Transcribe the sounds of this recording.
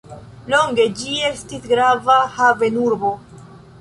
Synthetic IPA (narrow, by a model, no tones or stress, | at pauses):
lo̞ŋɡe̞d͡ʒie̞stisɡɾavahave̞nuɾbo̞